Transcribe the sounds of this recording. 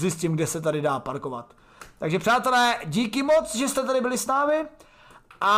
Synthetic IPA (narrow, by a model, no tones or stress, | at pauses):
zjɪscimɡdɛsɛt̪̬adɪdaːpaɾko̞vat̪ | t̪aɡʒɛpr̝̥aːt̪ɛlɛːɟiːkɪmot͡sʒɛst̪ɛt̪adɪbɪlɪsnaːmɪ | ʔa